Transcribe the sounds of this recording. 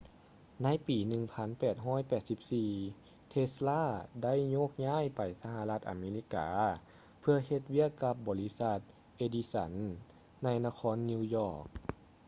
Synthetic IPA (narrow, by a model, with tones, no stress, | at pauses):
na˧˥˨jpiː˨˩nɯ˨˩ŋpʰa˧˥˨npɛː˨˩t̪̚ɦɔː˧˥˨jpɛː˨˩t̪̚si˧p̚siː˨˩ | t̪ʰe˧slaː˥˩˨da˥˨jɲoː˧˥˩k̚ɲaː˧˥˨jpa˨˩jsa˧ɦa˧la˧˥t̪ʔa̰˨˩meː˧li˧˥ka̰ː˨˦ | pʰɯ˧ɐhe˧t̪̚wi˦˥˩əkːa˧˥p̚bɔː˨˩li˦˧˥sa˧˥t̪̚ | ʔe˧˩di˧sa̰˧˦nː | a˧˥jna˧kʰɔː˧˥nːiː˧jɔː˧˩k̚